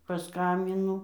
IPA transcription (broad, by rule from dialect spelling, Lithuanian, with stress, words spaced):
pɐˈskɐmʲbʲɪnʊ